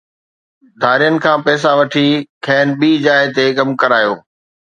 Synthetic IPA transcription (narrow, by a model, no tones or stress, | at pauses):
d̪ʱaːɾijənɪ̆kʰãːpɛːs̬aʋɐʈʰikʰɛːnɓiːd͡ʑaːɪt̪ekɐmkɐɾaːjoː